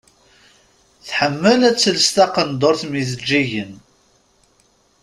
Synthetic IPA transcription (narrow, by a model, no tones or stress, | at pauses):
θħəmːəlæt͡sːəlst̪ɑqənd̪ˤoɾθmiθəd͡ʒːiʝən